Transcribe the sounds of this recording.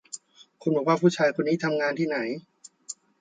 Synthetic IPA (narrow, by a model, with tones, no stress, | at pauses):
kʰu˧nbɔ˨˩waː˥˩pʰuː˥˩t͡ɕʰaː˧jkʰo˧nːiː˦˥˩t̪ʰa˧mŋaː˧nt̪ʰiː˥˩na˩˦j